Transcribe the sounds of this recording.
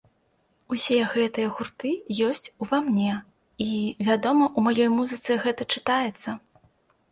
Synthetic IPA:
usʲɛɣɛt̪ɨjɛɣurt̪ɨjɔsʲt͡sʲuvamnʲɛ | ivʲad̪ɔmɐʔumajɔjmuzɨt̪sɨɣɛt̪ɐt͡ʂɨt̪ajɛt̪sːɐ

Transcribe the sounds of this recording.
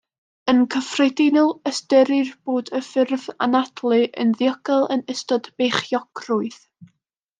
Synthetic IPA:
ənkʰəfrɛjdɪnɔlˠəstəɾɪrb̥oːdəfɪrva̰natʰlˠɨʔə̰nðjəɡɔlˠənɪstɔdb̥eχjɔɡ̥rʊɨð

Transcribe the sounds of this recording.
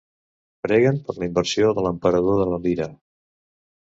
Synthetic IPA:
pɾɛɣəmpəɾləimbəɾsioðələmpəɾəðoðələliɾə

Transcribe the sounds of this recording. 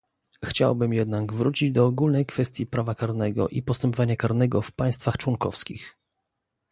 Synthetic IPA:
xt͡ɕa̰wbɘmjɛd̪naɡvɾut͡ɕid͡ʑd̪ɔːɡulnɛjkfɛst̪ʲjipɾavakaɾnɛɡɔ̰ʔḭpɔst̪ɛmpɔvaɲakaɾnɛɡɔfpaj̃st̪faxt͡ʂwɔŋkɔfskʲḭx

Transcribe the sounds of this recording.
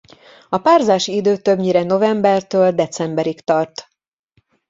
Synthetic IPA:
ɒpaːrzaːʃiid̪øːt̪ø̞bɲiɾɛno̞vɛmbɛrt̪øːld̪ɛt̪sɛmbɛɾikt̪ɒrt̪

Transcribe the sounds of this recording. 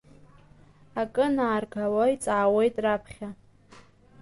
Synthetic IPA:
akʼɨnaːrɡʰawajt͡sʼaʕawejtʼrapʰχʲa

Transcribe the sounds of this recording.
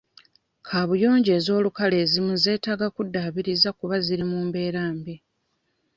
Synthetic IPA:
kʰaːβujo̞ːɲɟe̞ːzo̞ːlukale̞ːzimuze̞ːtaːɡakudːaːβiɾizakuβaziɾimuːmbe̞ːɾaːmbi

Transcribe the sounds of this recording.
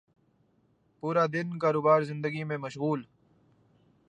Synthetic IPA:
puːɾad̪ɪnkaːɾoːbaːɾzɪ̃nd̪əɡimẽmɐʃɣuːl

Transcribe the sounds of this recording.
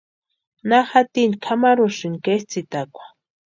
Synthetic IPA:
naxat̪inkʰamaɾuʃinkest͡sit̪akʷḁ

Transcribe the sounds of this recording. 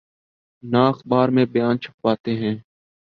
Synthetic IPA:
naːəxɓaːɾmẽːbəjaːnt͡ʃʰəp̚paːt̪eːɦɛ̃ː

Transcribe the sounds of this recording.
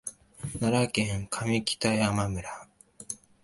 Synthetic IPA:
naɾakẽŋkʰamʲikʲi̥t̪ajamamɯ̟ɾa

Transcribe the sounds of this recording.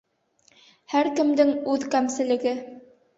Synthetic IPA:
hæɾkɘ̆md̪ɘŋʉðkæmsɘ̆lɘ̆ɡɘ

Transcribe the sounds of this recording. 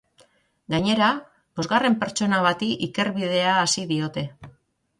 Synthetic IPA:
ɡaɲe̞ɾa | bo̞zɣare̞mpe̞ɾt͡ʃo̞naβ̞at̪iʔike̞ɾβið̞e̞aːsiðio̞t̪e̞

